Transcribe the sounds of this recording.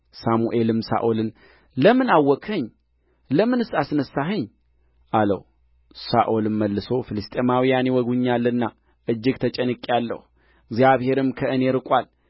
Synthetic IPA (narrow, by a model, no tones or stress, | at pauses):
samuʔelɨmsa̰ʔolɨn | ləmɨnawːɔkʰəɲː | ləmɨnɨsasnəsːaɦɨɲː | ʔalə̰h | saʔolɨnməlːɨso̞filɨst̪ʼemawijanjewɔɡuɲːalːɨnːa | ʔɨd͡ʒːɪɡt̪ʰət͡ʃʼɛnɨkʼːalːə̰h | ɡzjaβhe̞ɾɨmkʰəʔɨne̞ɾɨkʼal